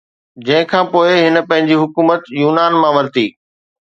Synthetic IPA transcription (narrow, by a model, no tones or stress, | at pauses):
d͡ʑɐ̃ɦɪ̃kʰãːpoːɪɦɪnə̆pɐ̃ɦɪ̃ɲd͡ʑiɦʊkuːmət̪juːnaːnmãʋɐɾt̪iː